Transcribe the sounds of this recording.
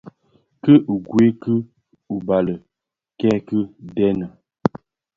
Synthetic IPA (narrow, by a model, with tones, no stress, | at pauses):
kə˦ʔu˨ɡwe˦kə˦ | u˨ba˨lə˨ | kɛ˦kə˦dɛ˦nə˨